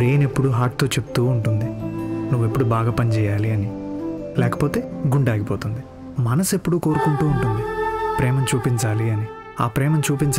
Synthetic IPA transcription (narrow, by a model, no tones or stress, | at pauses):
ɾeːnepːuɽuɦaːʈ̚t̪oːt͡ʃe̞pːu̥t̪uːuɳʈund̪inuʋːe̞pːuɽubaːɡaːpɐnt͡ʃɛːjaːliɐnilɛːkɐ̥po̞ːt̪e̞ːɡuɳɖaːɡipoːt̪und̪i | mɐnɐse̞pːuɽukoːɾukuɳʈuːɳʈund̪ipɾɛːmɐmt͡ʃuːpiɲt͡ʃaːliɐni | a̰ːpɾɛːmɐmt͡ʃuːpiɲt͡ʃ